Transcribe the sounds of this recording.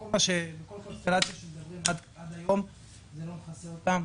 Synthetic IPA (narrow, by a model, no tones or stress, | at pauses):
aʃeaɾat̪at̪ | ad̪om | t̪am